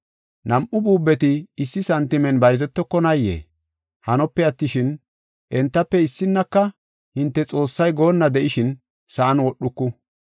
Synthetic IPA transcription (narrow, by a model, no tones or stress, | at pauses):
nɐmʔʊbuːbːɛt̪ɪːsːɪsɐnt̪ɪmɛnbɐjzɛt̪ːɔkːɔnɐjːḛː | hɐnɔpːɛɐt̪ːɪʃɪn | ʔɛnt̪ːɐpːɛɪsːɪnːɐkːɐ | hɪnt̪ːɛt͡sʼo̞ːsːɐjɡo̞ːnːɐd̪ɛʔɪʃɪn | sɐʔɐnwɔɗʊkːʊ